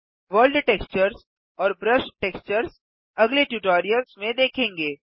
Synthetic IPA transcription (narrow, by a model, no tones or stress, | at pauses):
ʋəːlɖʈeːkst͡ʃəɾz | ɔːɾbɾəʃʈeːkst͡ʃəɾz | ɐɡleʈjuːʈoːɾijəlzmẽd̪eːkʰẽːŋɡeː